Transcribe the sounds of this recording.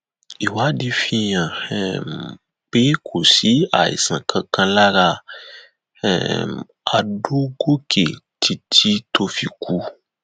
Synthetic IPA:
i˨wa˦di˦fĩ˧jã˨ | pe˦kʰo˨si˦a̰˨ḭ˨sã̰˨kʰã˧kʰã˧la˦ɾa˦˨ | a˨ɖo˦ɡo˦kʰe˨ | tʰi˨tʰi˦tʰo˧fi˨kʰu˦

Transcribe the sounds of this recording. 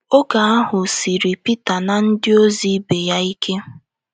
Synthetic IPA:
o˦ɡa˨a˦ɦʊ˨si˨ɾi˨pi˦ta˨na˨n̩˦dɪ˦o˦zi˦be˨ja˦i˦kʰe˦

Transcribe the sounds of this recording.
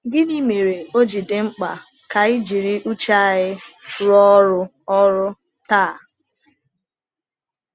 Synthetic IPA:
ɡɪ˦ni˦me˨ɾe˨o˦d͡ʒi˨dɪ˦ŋ͡m̩˦k͡pa̰˨ | ka˨i˦d͡ʒi˨ɾi˦ʔu˦t͡ʃa˦ɣɪ˦ɾɔ˦ɾʊ˦ | ɔ˦ɾʊ˦ | taː˦˨

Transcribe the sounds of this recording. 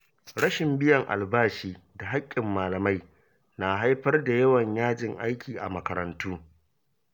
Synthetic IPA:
ɽɐ˦ʃɪ˨mbɪ˦jɐ˨ŋʔa̰˨lbaː˦ʃiː˦ | da˨ɦa˦kʲʼːɪ˨mːaː˨lɐ˨ma˦j | na˨ɦa˦jɸɐ˦rda˨jɐ˦wɐ˨ɲjaː˦d͡ʒɪ˨ŋʔa˦jkʲiː˨ʔa˨mɐ˦kɐ˨ɾɐ˨ntuː˦

